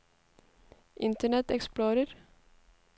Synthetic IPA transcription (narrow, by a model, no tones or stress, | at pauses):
ʔɪnt̪əɳɛt̪ɛksploːɾəɾ